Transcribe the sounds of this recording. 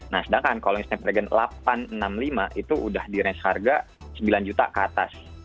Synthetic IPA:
nahsədaŋkankaloiŋsnɛp̚ɾɛɡɛnlapanənamlimaʔit̪uʔudahdiɾɛnsharɡa | səmbiland͡ʒut̪a̰kat̪a̰s

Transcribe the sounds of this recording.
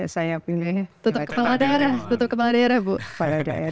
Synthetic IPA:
asajapiŋajat̪ut̪ʊkəpaladaɾat̪ut̪ʊp̚kəpaladaeɾabupalada̰ʔe

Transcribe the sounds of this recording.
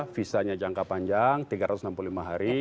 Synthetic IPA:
fisaɲad͡ʒaŋkapaɲd͡ʒaŋt̪iɡaɾat̪usnampululimaɦaɾi

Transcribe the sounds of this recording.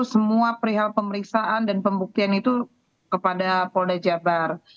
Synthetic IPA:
səmuapəɾiɦalpəməɾiksaʔandanpəmbuk̚t̪ianit̪u | kəpadapoldad͡ʒabar

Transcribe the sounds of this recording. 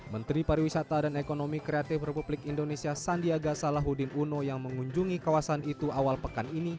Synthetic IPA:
mənt̪ɾipaɾiwisat̪adanekonomikɾeat̪ɪfrɛpublɪkindonesiasandiaɡasalaɦudɪnunojaŋməŋuɲd͡ʒuŋikawasanit̪uawalpəkanini

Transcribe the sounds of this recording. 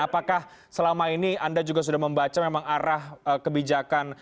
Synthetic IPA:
apakah | səlamainiandad͡ʒuɡas̬udahməmbat͡ʃamemaŋaɾahəkəbid͡ʒakan

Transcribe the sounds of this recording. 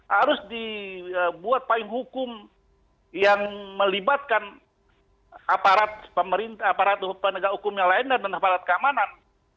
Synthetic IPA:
haɾʊsdiəbuat̪̚palɪŋhukʊm | jaŋməlibat̪̚kan | apaɾat̪̚pəməɾint̪aapaɾat̪upənəɡahukʊmjaŋlaɪndadanapaɾat̪̚kəamanan

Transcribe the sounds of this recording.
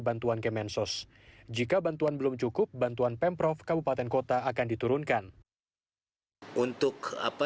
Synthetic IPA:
bant̪uankemɛnsʊs | d͡ʒikabant̪uanbəlʊmt͡ʃukʊp̚bant̪uanpɛmpɾɔfkabupat̪ɛnkot̪aːkandit̪uɾʊnkan | unt̪ʊka̰pa

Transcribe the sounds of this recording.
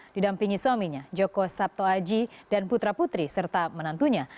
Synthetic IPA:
d̥idampiŋisamiɲad͡ʒokosap̚t̪oad͡ʒidanput̪ɾaput̪ɾisərt̪amənant̪uɲa

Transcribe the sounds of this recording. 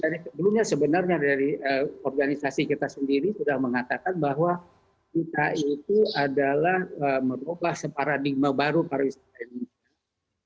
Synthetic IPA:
daɾisəbəlumɲasəbənarɲadaɾiəɔrɡanisasikit̪asəndiɾisudahməŋat̪akanbaɦwa | kit̪ait̪uadalahəmənobahsəpaɾadiɡ̚mabaɾupaɾawisat̪ainusia

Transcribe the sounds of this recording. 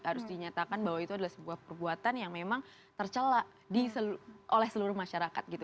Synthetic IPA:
haɾʊsdiɲat̪akanbaɦwait̪uadalahsəbuahpərbuat̪anjaŋmemaŋ | t̪ərt͡ʃəla | disəluʔolɛhsəluɾʊhmaʃaɾakat̪̚ɡit̪u

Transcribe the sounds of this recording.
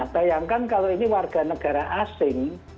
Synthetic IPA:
b̥ajaŋkankaloiniwarɡ̥a̤nəɡ̥a̤ɾaʔasɪŋ

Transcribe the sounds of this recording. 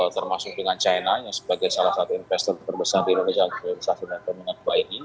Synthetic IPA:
t̪ərmasʊk̚dəŋant͡ʃajnajaŋsəbaɡajsalahsat̪uinfɛst̪ɔrt̪ərbəsardiindonesant̪oɾisasidant̪əməŋəduaini

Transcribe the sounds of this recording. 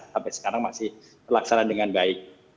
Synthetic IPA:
sampasə̥kaɾaŋmasɪh | pərlaksanaandəŋanbaɪk̚

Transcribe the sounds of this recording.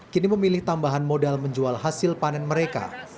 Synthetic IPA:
kiniməmilɪht̪ambaɦanmodalməɲd͡ʒualɦasɪlpanɛnməɾeka̰

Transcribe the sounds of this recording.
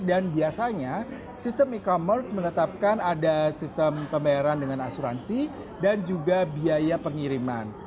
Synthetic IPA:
danbiasaɲa | sist̪əmikomərsmənət̪ap̚kanadasist̪əmpəmbajaɾandəŋanasuɾa̰nsi | dand͡ʒuɡabiajapəŋiɾima̰n

